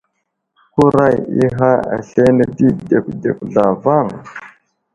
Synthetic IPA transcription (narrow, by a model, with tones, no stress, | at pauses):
ku˦ɾa˦jḭ˦ɦa˦a̰˨ɬe˦ne˦di˦de˨ku˨de˨ku˨ɮa˨va˦˨n˨